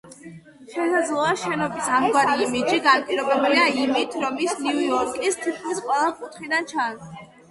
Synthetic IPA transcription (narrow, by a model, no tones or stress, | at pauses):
ʃɛsad̪zlˠɔaʃɛnɔbisamɡwaɾiːmid͡ʒiɡapʼiɾɔbɛbuliaimit̪ʰɾɔmisniuɔɾkʼist̪ʰit̪̚ʰkʰmisqʼwɛlˠakʼut̪ʰχid̪ant͡ʃʰans